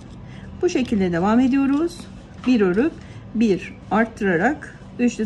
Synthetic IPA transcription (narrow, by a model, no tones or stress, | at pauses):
buʃe̞cʰilʲd̪ɛd̪e̞vame̞d̪ijo̞ɾuz̥ | biɾøɾup | biɾ | aɾt̪ʰːɯɾaɾak | yt͡ʃt̪ʲɛ